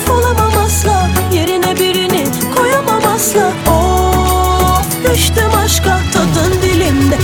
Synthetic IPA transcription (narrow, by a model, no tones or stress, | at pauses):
kʰolˠamamaslˠaje̞ɾinɛbiɾinɪ | kʰo̞jamamaslˠao | yʃt̪ɛmaʃkat̪ʰad̪ɯnd̪ilʲind̪ɛ